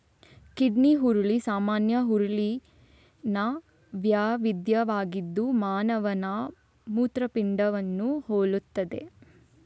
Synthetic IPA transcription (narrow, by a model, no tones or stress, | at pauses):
kiɖniɦuɾuɭisaːmaːnjɐɦuɾuɭi | nɐ | ʋjaːʋid̪jɐʋaːɡid̪ːumaːnɐʋɐnɐ | muːt̪ɾɐpiɳɖɐʋɐnːuhoːɭut̪ːɐd̪e̞̰